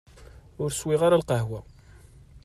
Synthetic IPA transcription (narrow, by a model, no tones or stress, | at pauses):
ʊɾswiʁaɾalqɑɦwæ